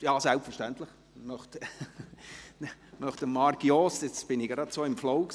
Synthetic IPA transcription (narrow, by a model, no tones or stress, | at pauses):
jɑːsælpfəʃtænt̪ləχ | mœχt | mœχtəmɑɾɡjɔsɪt͡sb̥ɪnɪɡɾɑd̥̪soːɪmflɔʊk